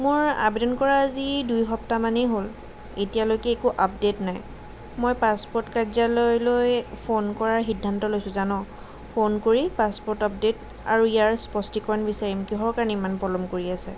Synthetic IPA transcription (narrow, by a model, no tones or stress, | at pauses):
mʊɹa̰pdenkɔɹaːzidujɦɔptamanɛɦol | etijalojkɛːkuʔap̚detnaj | mojpaspɔɹtkazalojlojpʰonkɔɹaɹxidʱːantɔlojsʊ̃zanɔ | pʰonkoɹipaspɔɹtɔp̚det | a̰ɹuijaɹspɔstikɔɹanbisaɹimkiɦɔɹkaɹnɛimanpɹɔlɔmkoɹiasɛ̰